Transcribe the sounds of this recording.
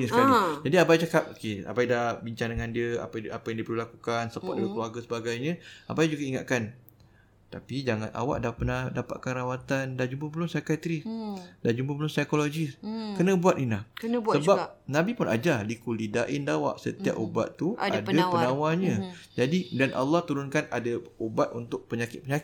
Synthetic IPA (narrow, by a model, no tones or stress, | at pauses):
ɲəsəkalid͡ʒadiabajt͡ʃakap̚okea̰bajdahbiɲt͡ʃaŋdəŋandiəa̰paapajãŋdipəlulakukansəpa̰ʔ̚dəɡakəluarɡasəbaɡajɲə̃abajd͡ʒuɡaiŋa̰ʔ̪̚kan | t̪apid͡ʒaŋana̰wa̰ʔdapənadapa̰ʔ̪̚kanɾawat̪andad͡ʒumpəpəlʊŋsajkat̪ɾisdand͡ʒumpəbəlʊnsajkolod͡ʒiskənə̃buat̪inlahkənəbsəbapnãbipʊnʔa̰d͡ʒahdikulidaʔɪndawa̰ʔsə̰t̪ia̰p̚uba̰t̪t̪ːuʔadapənawanɲə̃d͡ʒadidanʔa̰lːɑht̪uɾʊnkanadaubat̪̚unt̪ʊʔ̚pəɲakɪ̰t̪̚pəɲak